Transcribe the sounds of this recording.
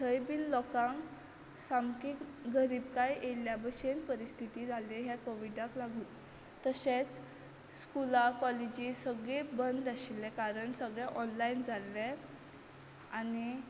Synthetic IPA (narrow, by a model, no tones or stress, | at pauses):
t̪ʰəjbiːllɔkãŋ | samkikɡəɾiːbkajʔelːjabəɕenpəɾist̪ʰit̪iːd͡zʱalẽɦjakoʋiɖaklaɡʱuːt̪ | t̪ːəɕet͡s | skulakɔled͡ʑisəɡɭebənd̪aɕilːɛkaɾəɳsəɡɭɛʔɔnlaind͡zalːe | ani